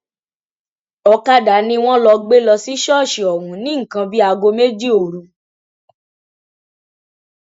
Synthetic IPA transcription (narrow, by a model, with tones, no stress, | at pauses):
ɔ˧ka˦da˨˦nĩ˧w̃ɔ̃˦lɔ˧ɡ͡be˦lɔ˧si˦ʃɔ˦˨ʃe˨ɔ˨wũ˨˦nĩ˦˨kã˧bi˦a˧ɡo˧me˦d͡ʒi˦o˨ɾu˧˦